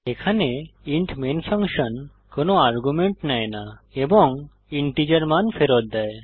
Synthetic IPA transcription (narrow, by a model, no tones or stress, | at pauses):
ekʰaneiɳʈʰmenfʰaŋʃən | konoaɾɡumeɳʈnaenaebɔŋ | iɳʈid͡ʑaɾmanfʰeɾɔt̪̚d̪ɛe